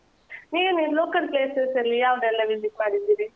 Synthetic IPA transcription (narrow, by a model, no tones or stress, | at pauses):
niːniloːkɐlpleːsesɐlːijaːʋɐd̪ɛlːɐʋilikmaːɽid̪iːɾi